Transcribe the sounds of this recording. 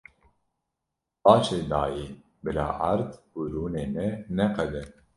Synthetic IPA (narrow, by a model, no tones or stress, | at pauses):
bɑːʃeːd̪aːjiː | bɨla̰ːʔaɾd̪buɾuːneːmɛnɛqɛd̪ɛ